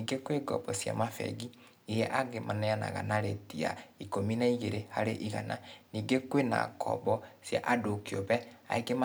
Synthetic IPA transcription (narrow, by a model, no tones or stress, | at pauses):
iɡekweɡɔbɔsja̰mafɛ̰ɡi | ijɛʔaɡemanɛjana̰ɣa̰naɾetia̰ikominaiɣeɾehaɾeʔiɣananiːɡekwena̰kʰɔ̰bɔsja̰ʔadokioβɛa̰eɡema